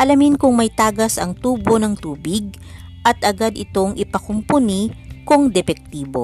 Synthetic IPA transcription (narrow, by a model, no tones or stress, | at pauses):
ʔɐlɐmɪnkʊŋmɐjt̪aːɡɐsɐŋt̪uːbo̞nɐŋt̪uːbɪɡ̚ | ʔɐt̪ʔɐɡad̪ɪt̪o̞ŋʔɪpɐkʊmpʊnikʊŋd̪ɛpɛk̚t̪iːbo̞̰